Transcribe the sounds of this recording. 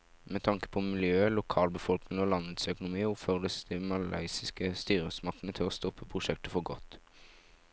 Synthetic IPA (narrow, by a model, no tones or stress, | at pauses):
mɛt̪ʰɑŋkə̥pʰɔmɪljøːlʊkʰɑːlbəfɔlknɪŋɔlɑnət̪sœkʊnʊmiːəɔpføʁd̪əsd̪imɑlɑ̰ɪsɪskəst̪yːɾəsmɑʁkt̪ənət̪ʰɪlɔst̪ɔpːəpʰʁʊʃɛk̚t̪əfɔʁɡɔt̪ː